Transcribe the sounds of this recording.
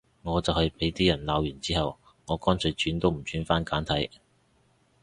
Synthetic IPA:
ŋɔː˨˧t͡sɐ˨whɐ˨jpe˨˥jt̪iː˥jɐ˨˩nlaː˨˧wjyː˨˩nt͡siː˥hɐ˨w | ŋɔː˨˧kɔː˥nsʰɵ˨˧jt͡ʃyː˨˥nt̪o˥wm̩˨˩t͡ʃyː˨˥nfaː˥nkaː˨˥nt̪ʰɐ˨˥j

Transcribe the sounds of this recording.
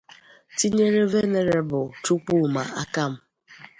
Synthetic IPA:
ti˦ɲe˦ɾe˦ve˦ne˨ɾe˨bʊ˨tu˦k͡pu˦˨ma̰˨a˦ka˦m̩˦

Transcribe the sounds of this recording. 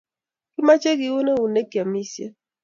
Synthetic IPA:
ki˦ma˦t͡ʃe˦ki˨˦wo˦ne˦u˨ne˦kja˨mi˦sje˦

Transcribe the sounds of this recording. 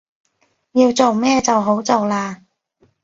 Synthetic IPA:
jiː˧wt͡so˨wmɛː˥t͡sɐ˨wɦo˨˥wt͡so˨wlaː˧

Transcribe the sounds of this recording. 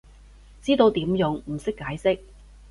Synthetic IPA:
t͡siː˥t̪o˧wt̪iː˨˥mjʊ˨ŋm̩˨˩sɪ˥kːaː˨˥jsɪ˥k̚

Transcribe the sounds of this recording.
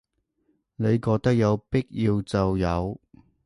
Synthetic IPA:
ne˨˧jkɔː˧k̚t̪ɐ˥k̚jɐ˨˧wpɪ˥k̚ji˧wt͡sɐ˨wjɐ˨˧w

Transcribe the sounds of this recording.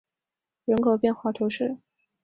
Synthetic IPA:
ɻə˧˥nkʰo˨˩ʊpjɛ˥˧nxwa˥˩t̪ʰu˧˥ʂɻ̩˥˩

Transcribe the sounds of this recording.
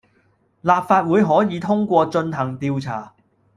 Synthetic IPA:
laː˨p̚faː˧t̚wuː˨˧jɦɔː˨˥jiː˨˥t̪ʰʊ˥ŋkʷɔː˧t͡ʃɵ˧nɦɐ˨˩ŋt̪iː˧wt͡sʰaː˨˩

